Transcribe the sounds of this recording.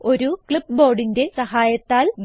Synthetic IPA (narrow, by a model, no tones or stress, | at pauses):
o̞ɾukɭipːbo̞ːɖinde̞sɐɦaːjɐt̪ːaːlɡ